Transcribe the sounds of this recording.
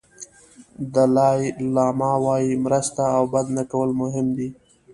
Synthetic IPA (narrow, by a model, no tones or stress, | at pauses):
d̪əlɑjlɑːmɑwɑjimɾəst̪aːwbad̪nakawəlmʊɦɪmd̪i